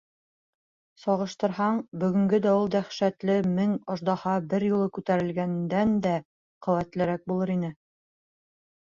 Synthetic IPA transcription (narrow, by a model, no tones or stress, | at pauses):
sɒʁɤ̆ʃt̪ɤ̆ɾhɑɴbɵ̆ɡɵ̆ŋɡɵd̪æulˠd̪æχʃæt̪lɘmɘŋŏʒd̪ɑhɑbɘɾjulˠɤkʉt̪æɾɘ̆lɡænd̪ænd̪æ | qŏwæt̪lɘ̆ɾæk̚bulˠɤɾinɘ